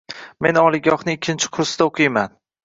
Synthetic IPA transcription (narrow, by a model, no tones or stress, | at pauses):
me̞nɒlˠɪɡʲɒhnɪɪkʲʰːɪnt͡ʃʰɪ̥qʰʊɾsɪd̪aoqʰɨjman